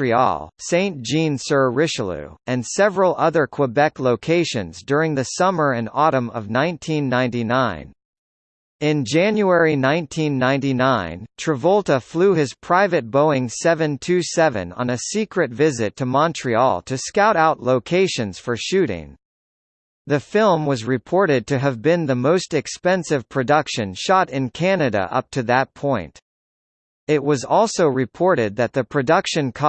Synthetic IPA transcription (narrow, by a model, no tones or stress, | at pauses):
ɹiɔ̰lˠsẽɪ̃nd̥ʒ̥ĩnsɜ˞ɹɪʃl̩ˠʉ̰ɨ̃nsɛvɹəl̩ˠʌðə˞kʰw̥əbɛkloʊkʰeɪʃɨ̰̃nzdʊɹɪ̃ŋðɨsʌmə˞ɨ̃nɔɾə̃mʌ̰vnãɪ̃ntʰĩnːãɪ̃ntinãɪ̃n | ɪ̃nd͡ʒæ̃njuɛɹinãɪ̃ntʰĩnːãɪ̃ntinãɪ̃ntʰɹ̥ɨvɔlˠtəfluɪz̥pʰɹ̥aɪvɨt̚b̥oʊɪ̃ŋsɛvɨ̃ntʰʉsɛvɨ̰̃nə̰̃nɨsikɹɨtvɪzɨtʰɨmɑ̃ntʰɹ̥iɔ̰lˠtʰɨskaʊɾaʊtˡloʊkʰeɪʃɨ̃nz̥fə˞ʃʉɾɪ̰̃ŋ | ðɨfɪlˠmwʌzɹɨpʰɔɹɾɨd̚tʰɨːvbɪ̃nðɨmoʊstɨkspɛ̃nsɨv̥pʰɹ̥ɨdʌkʃɨ̃nʃɑɾɪ̃nkʰænɨɾɨ̰ʔʌ̰p̚tʰɨðət̚pʰɔ̃ɪ̃nt | ɪt̚wʌzɔlˠsoʊɹɨpʰɔɹɾɪd̪̚ðɨt̪̚ðɨpʰɹ̥ɨdʌkʃɨ̃nkʰ